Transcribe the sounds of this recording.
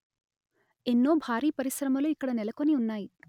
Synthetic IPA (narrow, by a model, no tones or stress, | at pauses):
enːo̞ːbʱaːɾiːpɐɾisɾɐmɐloːikːɐɽɐnɛlɐko̞niunːaːji